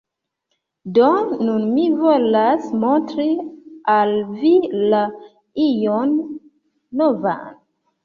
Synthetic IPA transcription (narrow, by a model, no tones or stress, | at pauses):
donunmivolasmontɾialvila | ijonː | ova̰n